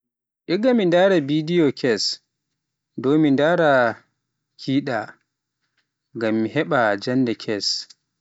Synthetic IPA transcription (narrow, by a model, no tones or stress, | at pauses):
ʔiɡamindaːɾabidijɔkʰɛs | domindaːɾa | kʰiːɗa | ɡamːihɛɓad͡ʒandɛkʰɛs